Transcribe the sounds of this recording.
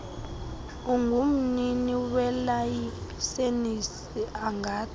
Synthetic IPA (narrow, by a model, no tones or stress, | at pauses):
uŋʱum̩niniwɛlajisenis | iʔaŋaːtʰ